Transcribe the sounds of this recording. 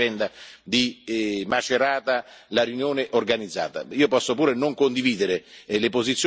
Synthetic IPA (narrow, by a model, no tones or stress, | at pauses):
ɛnd̪ad̪imat͡ʃeɾaːt̪alaɾjunjoːneʔorɡanid̪zːa̰ːt̪a̰iːopɔsːopuːɾenoŋkond̪iviːd̪eɾelepozit̪sːj